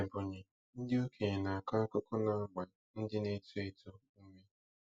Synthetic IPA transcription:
e˨bʊ˨ɲe˨ | n̩˦dɪ˦o˦kʰe˨ɲe˨na˨a˨ka˦kʊ˦kʊ˦na˨a˦ɡ͡ba˨ | n̩˦dɪ˦ne˦tu˦e˦tu˦ | m̩˦me˦

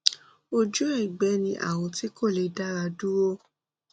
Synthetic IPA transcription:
o˧d͡ʒu˦e˦˨ɡ͡bɛ˨˦nĩ˧ʔa̰˦˨w̃ɔ̃˧ti˨˦ko˦˨le˨˧da˦ɾa˧du˦wo˦

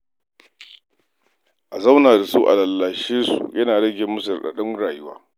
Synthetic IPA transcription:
ʔa˨za˦wnaː˨da˨suː˦ʔa̰˨lɐ˨lːaː˨ʃeː˦sṵ˨jɐ˦naː˨ɽɐ˦ɡʲeː˨mːʊ˦s̬ʊ˨rɗa̰˨ɗɔ˦ŋɽaː˨jʊ˦wa̰ː˦

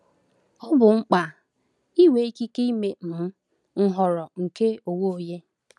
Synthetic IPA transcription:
ɔ˦bʊ˨ŋ͡m̩˦k͡pa˨ | i˦we˨˦i˦ki˦ke˦i˦me˨m̩˨˦ | ŋ̩˨ɦɔ˨ɾɔ˨ŋ̩˨ke˦o˨wo˦o˨je˦

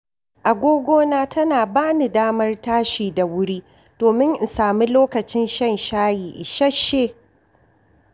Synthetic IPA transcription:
ʔa˨ɡʷoː˦ɡʷoː˦naː˦tʰɐ˦naː˨baː˦ni˨daː˦mɐ˦rtaː˦ʃiː˨da˨wʊ˦ɽi˦ | d̥oː˨mɪ˦ŋʔɪ˨saː˨mi˦loː˦kɐ˨t͡ʃɪ˦nʃɐ˦nʃaː˦jiː˨ʔɪ˨ʃɐ˦ʃːeː˦

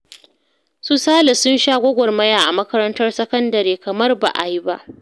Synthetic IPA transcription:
su˦saː˦lɪ˨sʊ˦nʃaː˦ɡʷɔ˦ɡʷɔ˨rmɐ˦jaː˨ʔa˨mɐ˦kɐ˦ɾɐ˦ntɐ˦rsɐ˦kɐ˦ndɐ˨ɾeː˨kɐ˨mɐ˦rba̰˨ʔa̰˨ji˦ba̰˦ʔ

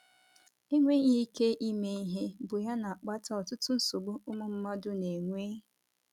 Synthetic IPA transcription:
e˦ŋʷe˦ɲi˦i˦ke˦ʔi˦me˦i˦ɦe˦bʊ˨ja˦na˨k͡pa˦ta˦ɔ˨tʊ˦tʊ˦n̩˦so˨ɡ͡bʊ˦ʊ˦mʊ˦m̩˦ma˦dʊ˦ne˨ŋʷeː˦

